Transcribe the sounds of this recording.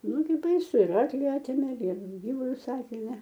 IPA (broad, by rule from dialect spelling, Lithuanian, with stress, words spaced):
ˈnʊɡʲɪ bɐɪˈsʊ ɪr ˈɐrklʲɪ ˈɑːtʲeːmʲeː ɪr ˈɡʲiːʋʊlʲʊs ˈɑːtʲeːmʲeː